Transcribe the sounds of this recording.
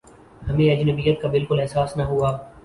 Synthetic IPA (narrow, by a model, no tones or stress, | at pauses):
hɐmẽɐd͡ʒnəbijət̪̚kabɪlkʊlɛɦsaːsnaɦuaː